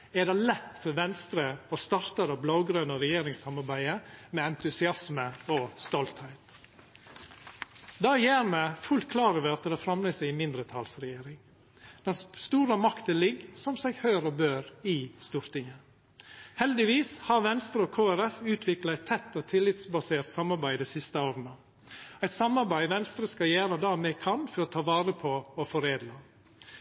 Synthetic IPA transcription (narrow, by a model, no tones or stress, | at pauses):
ɛd̪ɛlɛt̪ːfɔɾʋɛnst̪ɾəɔst̪ɑɾt̪əɾɑblɑʊɡɾœnɔɾɛjeːɾɪŋsɑmɑɾbæɪəmɛɛnt̪ʉsɪɑsməɔst̪ɔlt̪hɛɪt̪ | d̪ɑːjæːɾmɛfʉlt̪̚kʰlɑːɾəʋøːt̪ːəd̪ɛfɾɑmlɛsɛɪɪmɪnd̪ɾət̪ʰɑlsɾɛjeːɾɪŋ | d̪̥ɛnsst̪uːɾəmɑkt̪ənlɪɡsɔmsɛɪɡhœʏɾobøːɾɪst̪uːɾt̪ɪŋə | hɛld̪ɪʋiːshɑɾʋɛnst̪ɾəoːkʰoːæɾɛfʉːt̪ʰʋɪklɑæɪt̪ʰɛt̪ːoːt̪ʰɪlːɪt̪sbɑseːɾt̪sɑmɑɾbæɪd̪ɛɪsɪst̪əoːɾnə | æɪt̪sɑmɑɾbæɪʋɛnst̪ɾəskɑjæːɾəd̪ɑːmeːkʰɑnfɔɾoːt̪ʰɑːʋɑːɾəpʰoofɔɾeːd̪lɑ